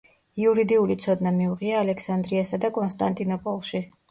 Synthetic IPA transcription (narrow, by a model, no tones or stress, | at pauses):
iuɾid̪iulit̪sʰɔd̪namiuʁiaːlɛkʰsand̪ɾiasad̪akʼɔnst̪ʼant̪ʼinɔpʼɔlˠʃi